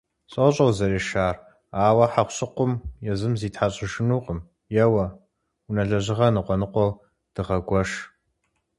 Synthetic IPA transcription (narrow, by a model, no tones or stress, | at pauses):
ɕʼoɕʼɐwzɐɾeːʃaːr | aːwɐħaχʷɕʼɪqʷʊmjɛzɨmziːtħaɕʼɪʒɪnuːqʼəm | jɛwɐ | unɐɮɐʑɪʁɐnɨqʷʼɔnɨqʷɔw | d̥ɨʁɐɡʷɔʃ